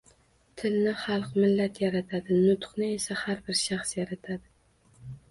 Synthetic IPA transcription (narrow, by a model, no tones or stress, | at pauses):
t̪ʰɪlnɪχɑlˠqmɪlːat̪ʰjaɾat̪ʰad̪ɪnʊt̪qnɪe̞sahaɾbɪɾʃaχsjaɾat̪ʰad̪ɪ